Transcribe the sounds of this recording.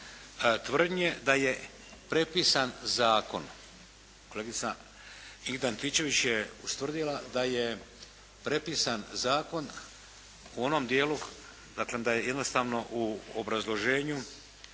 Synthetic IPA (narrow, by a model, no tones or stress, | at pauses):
t̪ʋr̩d̪ɲed̪aje̞ | pɾe̞pisanzaːko̞̰n | koleɡit̪sa | iɡd̪ant̪it͡ʃe̞ʋit͡ɕjeust̪vr̩d̪ilˠad̪aje | pɾe̞pisanzaːko̞n | uo̞nomd̪jeːlu | d̪akled̪ajeje̞d̪nost̪aːʋno̞ʔuobɾazlˠo̞ʒeːɲu